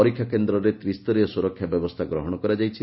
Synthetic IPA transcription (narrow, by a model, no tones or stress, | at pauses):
ɔɾikʰjakend̪ɾɔɾet̪ɾist̪ɔɾijɔsuɾɔkʰjabjɔbɔst̪ʰaɡɾɔɦɔɽ̃ɔkɔɾad͡ʒajt͡ʃʰi